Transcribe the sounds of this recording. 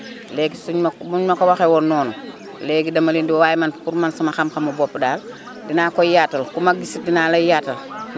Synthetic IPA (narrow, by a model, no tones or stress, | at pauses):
lɛːɡisuɲmuɲmɐkowaxewɔnːɔːnɔ | lɛːɡidɐmɐlindiwwaːjmanpuɾmansɐmaxamxɐmubɔpːdaːl | dinaːkɔjaːtːɐlkumaɡisidinaːlɐjaːtɐl